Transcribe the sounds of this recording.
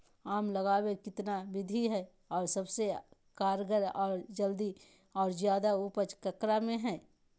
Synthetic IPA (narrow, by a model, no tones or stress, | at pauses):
aːmləɡaːwekɪt̪nabɪd̪ʱiɦɛ | ɔːɾsɐbsekaːɾɡəɾɔːɾd͡ʒəld̪i | ɔːɾzjaːd̪aupət͡ʃkəkɾamẽɦɛ̃ː